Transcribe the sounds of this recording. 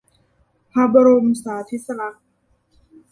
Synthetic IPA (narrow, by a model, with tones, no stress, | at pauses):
pʰa˧˥ba˧ɾo˧msaː˩˦t̪ʰi˦t̪̚sa˧la˧˥ʔ